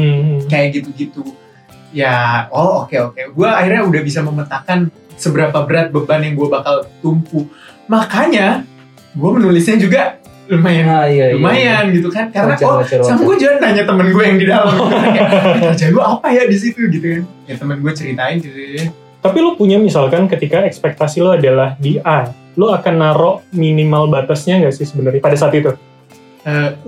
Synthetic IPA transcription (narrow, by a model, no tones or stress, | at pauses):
kajaʔɡit̪uɡit̪u | jaookeokeɡuaːhirɲaudahbis̬aməmət̪akan | səbəɾapabəɾat̪̚bəbanjaŋɡuabakalt̪umpu | makaɲa | ɡuamənulisɲad͡ʒuɡa | lumajanaumajanɡit̪ukankalat͡ʃɔat͡ʃasamaɡuad͡ʒuant̪aɲat̪əmənɡuajaŋdidalamm | d͡ʒaɡuaːpajadis̬it̪uɡit̪ukanjat̪əmənɡuat͡ʃəɾit̪aɪnd͡ʒi | t̪apilopuɲamisalkankət̪ikaɛkspɛk̚t̪asiloadalahdiʔa | loakanːaɾoʔminimalbat̪asɲaŋɡaʔsɪhsəbənərɲapadasaːt̪it̪u | ə